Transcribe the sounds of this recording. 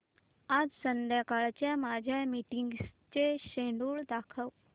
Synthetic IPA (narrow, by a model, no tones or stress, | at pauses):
ad͡zsənd̪jakaɭt͡ɕjamad͡ʑʱjamiʈiŋɡst͡ɕeɕeɳɖuːɭd̪akʰəw